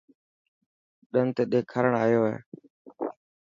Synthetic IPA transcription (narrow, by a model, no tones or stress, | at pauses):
ɗənt̪eːɗeːkʰəɾəɳaːjoːɦḛː